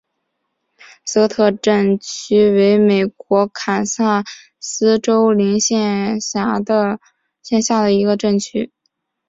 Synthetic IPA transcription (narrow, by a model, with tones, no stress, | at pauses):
sɤ˧˥t̪ʰɤ˥˧ʈ͡ʂə˥˩nt͡ɕʰy˥we˧˥ɪme˨˩ɪkwɔ˧˥kʰa˨˩nsa˥˩ | sɹ̩˥ʈ͡ʂo˥ʊli˧˥ŋɕjɛ˥˩a˧˥d̪ə˧ | ɕjɛ˥˧nɕja˥˩d̪ə˩i˧˥ɡə˧ʈ͡ʂə˥˩ŋt͡ɕʰy˥